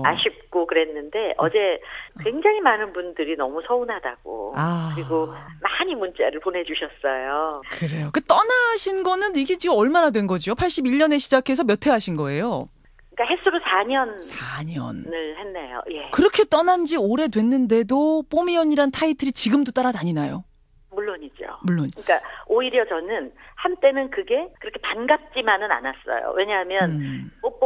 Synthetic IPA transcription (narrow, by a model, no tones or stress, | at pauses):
aɕʰip̚k͈okɯɾe̞nːɯnde̞ʔʌ̰d͡ʑe̞kwe̞ŋd͡ʑaŋimanɯnbundɯɾinʌmusʰʌunɦada̰ɡ̥o̰akɯɾiɡomaɲimunt͡ɕ͈ḛɾɯɭpone̞d͡ʑuɕʰʌs͈ʌjokɯɾe̞joket͈ʌnaɕʰinɡʌnɯniɡe̞t͡ɕiɡɯmʌɭmanadwe̞nɡʌd͡ʑiopʰaɭɕ͈ibiʎɲʌne̞ɕʰid͡ʑakʰe̞sʰʌmjʌtʰe̞ɦaɕʰinɡʌe̞jo | k͈aɦe̞sʰuɾosʰaɲʌnsʰaɲʌ̰nɯɭhe̞nːejo̰je̞kɯɾʌkʰe̞t͈ʌnand͡ʑioɾe̞dwe̞nːɯnde̞dop͈omiʌɲiɾantʰaitʰɯɾit͡ɕiɡɯmdot͈aɾanaɲinajo̰ | muɭːoɲid͡ʑo̰muɭːonɯɲik͈aoiɾjʌt͡ɕʌnɯnhant͈e̞nɯnkɯɡe̞kɯɾʌkʰepanɡap̚t͡ɕ͈imanɯna̰nas͈ʌ̰jo̰we̞ɲaɦamjʌnmo